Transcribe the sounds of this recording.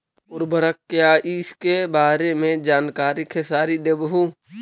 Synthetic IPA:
ʊɾbʱəɾəkːjaːʔiskebaːɾemẽd͡ʒaːnkaːɾikʰesaːɾid̪ebɦu

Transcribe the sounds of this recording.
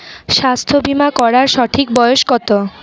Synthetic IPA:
ʃast̪ʰobimakɔɾaɾʃɔʈʰik̚bɔjoʃkɔt̪o

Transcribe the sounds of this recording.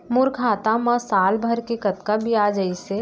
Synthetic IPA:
mʊɾkʰaːt̪amãsaːlbʱəɾkekɐt̪kabʱiaːd͡ʒəise

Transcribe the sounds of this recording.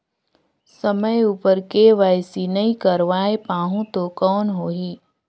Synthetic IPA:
səməjuːpəɾkeʋaːjsinɐɦĩkəɾʋaːepãːɦũt̪okɔːnɦoːɦiː

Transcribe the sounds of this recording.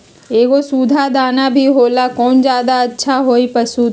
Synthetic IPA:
eːɡosuːd̪ʱad̪aːnabʱiɦoːlakɔːnd͡ʒjaːd̪aɐtːʃʰaɦoːipɐsuːt̪

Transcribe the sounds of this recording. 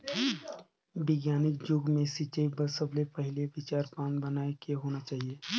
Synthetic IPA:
bɪɡjaːnɪk̚d͡ʒʊɡmẽsit͡ʃebɐɾsəblepɐɦɪleʋɪt͡ʃaːɾpaːnbɐnaːekeɦoːnat͡ʃaːɦieː

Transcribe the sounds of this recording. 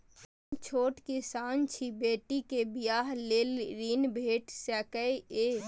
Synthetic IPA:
t͡ʃʰoːʈkesaːnt͡ʃʰibeːʈikebijaːɦleːlɾiːnbʱeːʈsɛːkəee

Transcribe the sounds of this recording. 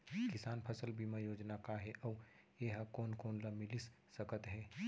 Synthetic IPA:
kɪsaːnpʰəsəlbʱimajoːd͡ʒnakaɦɛʔɔː | eɦakoːnkoːnlamɪlisːəkət̪ɦɛː

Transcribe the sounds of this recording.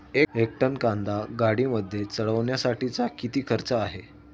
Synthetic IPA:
eek̚ʈənkand̪aɡaɽiːməd̪ʱːjet͡səɽəʋɳjasaʈit͡sakit̪iːkʰəɾt͡saːɦe

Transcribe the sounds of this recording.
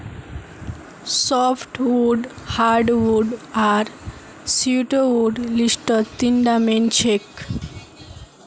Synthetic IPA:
sɔpʰʈʋuɖhaɾɖʋuɖaɾ | siuʈoʋuɖlisʈɔt̪iɳɖamẽnt͡ʃʰek

